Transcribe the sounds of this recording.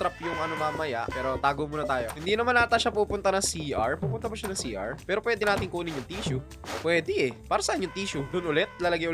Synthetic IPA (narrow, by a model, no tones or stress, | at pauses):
ɾɐpjʊŋʔɐnomaːmɐja̰ʔpɛːɾo̞t̪aːɡomonɐt̪aːjo̞hɪnd̪iːnɐmanːaːt̪ɐʃapuːpʊnt̪ɐnɐŋsiʔɐɹpuːpʊnt̪ɐbɐʃanɐŋsiːʔa̰ɹpɛːɾo̞pwɛːd̪ɪnaːt̪ɪŋkuːnɪɲjʊŋt̪iːʃʊ | pwɛːd̪ɪʔɛpaːɾɐsɐʔanːoŋt̪iːʃud̪ʊnʔʊlɛt̪̚lɐlɐɡɪjʔʊ